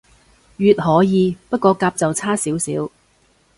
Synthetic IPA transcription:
jyː˨t̚hɔː˨˥jiː˨˧pɐ˥t̚kʷɔː˧kaː˧p̚t͡sɐ˨wt͡sʰaː˥siː˨˥wsḭː˨˥w

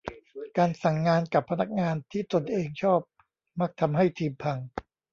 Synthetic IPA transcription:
kaː˧nsa˨˩ŋːaː˧nka˨˩pʰːa˧na˦˥˩k̚ŋaː˧nt̪ʰiː˥˩t̪o˧nʔeː˧ŋt͡ɕʰɔː˥˩p̚ | ma˦˥˩k̚t̪ʰa˧mɦa˥˩jt̪ʰiː˧mpʰa˧ŋ

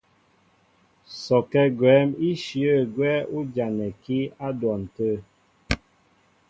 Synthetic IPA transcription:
sɔ˨kɛ˦ɡwɛ˨˦mi˦ʃjə˦˨ɡwɛ˦u˦d͡ʒa˨nɛ˨ki˦a˦dwɔ˨n̩˨tə˦˨

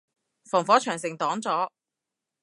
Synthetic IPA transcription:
fɔː˨˩ŋfɔː˨˥t͡ʃʰœː˨˩ŋsɪ˨˩ŋt̪ɔː˨˥ŋt͡sɔː˨˥

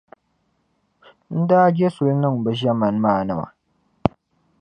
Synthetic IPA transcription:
n̩˦da˦ɡʲe˦sʊ˨lnə˦m˨ba˨ʒa˦mɐ˨nmaː˦˨nɐ˨ma̰˨

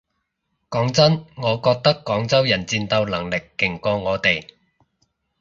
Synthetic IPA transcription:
kɔː˨˥ŋt͡sɐ˥nŋɔː˨˧kɔː˧k̚t̪ɐ˥kːɔː˨˥ŋt͡sɐ˥wjɐ˨˩nt͡siː˧nt̪ɐ˧wlɐ˨˩ŋlɪ˨kːɪ˨˩ŋkɔː˧ŋɔː˨˧t̪e˨˩j

